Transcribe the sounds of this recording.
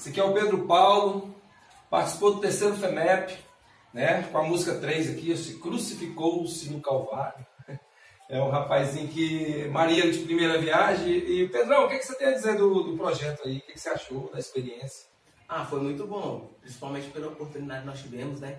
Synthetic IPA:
sɐkɪɛʊped̪ɾʊpawlʊ | paɾt͡ʃi̥si̥powd̪ʊt̪eɾsejɾʊfenɛpɪ̥ | nɛkõɐmuzikɐt̪ɾejzɐkiesɪkɾusifikowʊsĩɲʊkawvaɾʊ | ɛũɦapajzĩɲʊkɪmaɾiɐnʊd͡ʒɪpɾimejɾɐviaʒẽj̃ɪped̪ɾɐ̃w̃kekɪ̥set̪ẽjɐd͡ʒizeɾd̪ʊd̪ʊpɾɔʒɛt̪ʊaikekɪ̥seaʃod̪ɐispeɾiẽsjɐ̥ | afojmũj̃t̪ʊbõpɾĩsi̥pawmẽt͡ʃɪpkelɐopoɾt̪ũnid̪ad͡ʒɪknɔst͡ʃivẽmʊznɛ

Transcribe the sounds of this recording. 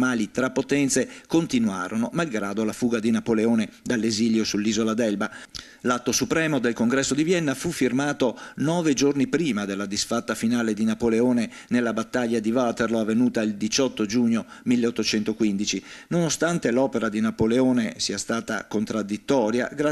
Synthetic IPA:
maːlit̪ɾapːot̪ɛnt̪sekont̪inua̰ːɾonomalɡɾaːd̪olafuːɡad̪inapoleoːned̪alːeziljosulːiːzolad̪ɛlba | lat̪ːosupɾɛːmod̪elkoŋɡɾɛsːod̪ivjɛnːafufːirmaːt̪onɔːved͡ʒornipɾiːmad̪elːad̪isfat̪ːafinaːled̪inapoleoːne | nelːabat̪ːaʎːad̪ivat̪erloavːenuːt̪aild̪it͡ʃɔt̪ːod͡ʒuːɲːomilːeot̪ːot͡ʃɛnt̪okwind̪it͡ʃinonost̪ant̪elɔːpeɾad̪inapoleoːnesiːast̪aːt̪a̰kont̪ɾad̪ːit̪ːɔːɾja̰ɡa

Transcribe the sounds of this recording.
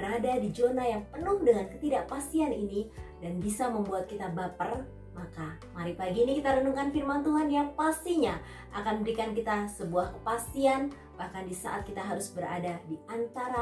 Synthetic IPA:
bəɾadadid͡ʒonajaŋpənʊhdəŋankət̪idaʔpast̪ianinidanbisaməmbuat̪̚kit̪abapər | maka | maɾipaɡiːnikit̪aɾənuŋkanfirmant̪uɦanjaŋpast̪iɲa | ʔakanbəɾikankit̪asəbuahkəpast̪ian | b̥ahkandisa̰ʔa̰t̪̚kit̪aɦaɾʊsbəɾa̰dadiant̪aɾa

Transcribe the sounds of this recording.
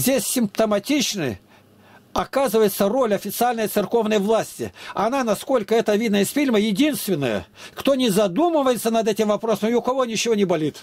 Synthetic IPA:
zʲdʲesʲːɪmpt̪əmɐtʲit͡ɕnɨ̰j | ɐkazɨvəjɪt̪səro̞lʲɐfʲɪt̪sɨalʲnəjt̪sɨrko̞vnəjvlˠasʲtʲɪ̰ɐnanɐsko̞lʲkəɛt̪əvʲid̪nəɪsfʲilʲməjɪdʲinst̪vʲɪnːə̰jə̰ | kt̪o̞nʲɪzɐd̪umɨvəjɪt̪sənɐd̪ɛtʲɪmvɐpɾo̞səmɪʊkɐvonʲɪt͡ɕɪvo̞nʲɪbɐlʲit̪

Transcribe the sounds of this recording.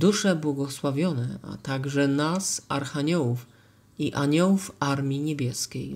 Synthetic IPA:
d̪uʂɛbwɔɡɔswavʲjɔnɛa̰t̪aɡʐɛnasaɾxaɲɔwuf | iʔaɲɔwufaɾmʲiɲebʲjɛskʲej

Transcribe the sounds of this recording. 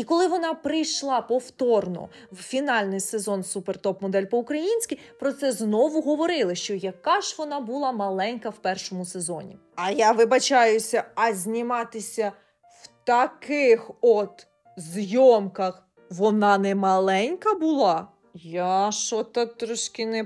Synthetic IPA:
ikɔlˠɪʋɔnɑpɾɪjʃlˠɑpɔwt̪ɔrnɔ̰ | wfʲinɑlʲnɪjsezɔnsupert̪ɔpmɔd̪ɛlʲpɔʊkɾɐjinʲsʲkʲipɾɔt̪sɛznɔʋʊɦɔʋɔɾɪlˠɪʃt͡ʃɔjɐkɑʒʋɔnɑbʊlˠɑmɐlˠɛnʲkɐwpɛrʃɔmʊse̞zɔ̰nʲḭ | ɐjaʋɪbɐt͡ʃɑjʊsʲɐɐzʲnʲɪmɑt̪ɪsʲɐ | w̥t̪ɐkɪxɔt̪ | zjɔmkɐx | ʋɔnɑnɛmɐlˠɛnʲkɐbʊlˠɑ | jaʃɔt̪ɐt̪ɾɔʃkʲɪnɛ

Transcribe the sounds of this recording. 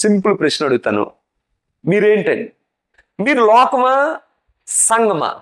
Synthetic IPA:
simpɐlpɾɐʃnɐɽuɡut̪a̰ːnṵ | miːɾeːɳʈɐɳɖi | miːɾulɔːkɐma | sɐŋɡɐma̰ː

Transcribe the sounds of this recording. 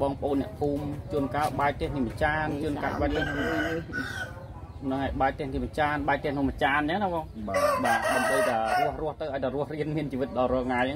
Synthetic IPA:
ɓɑːŋpəəʔoːnːɛ̆əʔpʰuːmt͡ɕuənkaːɓaɛk̚t̪eəhniːmət͡ɕaːnt͡ɕuənkaːɓaːk̚t̪ɛəhn | nɨŋaɛjɓaɛk̚t̪ɛəhniːmət͡ɕaːnɓaɛk̚t̪ɛ̆əhnʊ̆əmət͡ɕaːnt͡ɕəŋnahɓɑːŋɓaːɗaəmɓəjt̪aərʊ̆əhrʊ̆əht̪ɨwʔaɔj̚t̪aːrʊ̆əhriənmiənt͡ɕiːʋɨt̪̚ɗɑlrɔ̆əlŋaːjʔaŋ

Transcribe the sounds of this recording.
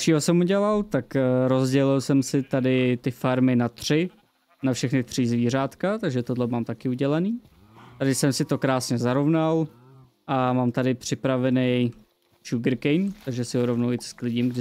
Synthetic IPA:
ʃiːɦosɛmuɟɛlalt̪akɾo̞zɟɛlɪlsɛmsɪt̪adɪt̪ɪfaɾmɪnat̪r̝̥ɪ | nafʃɛxnɪt̪r̝̥izviːr̝aːt̪kat̪aɡʒɛt̪odlɛmaːmt̪akɪuɟɛlaniː | t̪adɪsɛmsɪt̪o̞kɾaːsɲɛzaɾo̞vnal | ʔamaːmt̪adɪpr̝̥ɪpɾavɛnɛj | t͡ʃuɡɾkɛjmt̪aɡʒɛsɪɦoɾo̞vnowɪt̪sklɪɟɪmɡdɪ

